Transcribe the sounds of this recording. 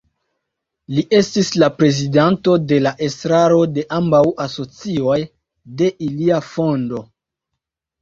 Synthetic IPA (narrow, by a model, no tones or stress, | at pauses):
liʔe̞stislapɾe̞zidanto̞de̞laʔe̞stɾaɾo̞de̞ʔambawaso̞t͡sio̞j | de̞ʔiliafo̞ndo̞